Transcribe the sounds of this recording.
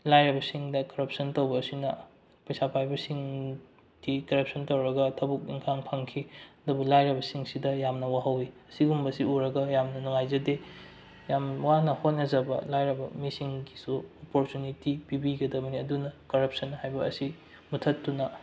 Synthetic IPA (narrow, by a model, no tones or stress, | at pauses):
lajɾɐbɐsiŋdɐkɐɾɐp̚sɐntowbɐːsinɐ | pɐjsapʰajbɐsiŋ | d̥ikɐɾɐp̚sʰɐntowɾɐɡɐtʰɐbuk̚ḭŋkʰaŋpʰɐŋkʰiɐdubulajɾɐbɐsiŋsidɐjamnɐwaɦɐwiɐsiɡumbɐsiuɾɐɡɐjamnɐnuŋajzɐde | jamwanɐhot̚nɐzɐbɐ̰lajɾɐbɐmisiŋɡisuopoɾtunitipibiɡɐdɐmɐniɐdunɐkɐɾɐp̚sɐnhajbɐ̰ːsi | mutʰɐtːunɐ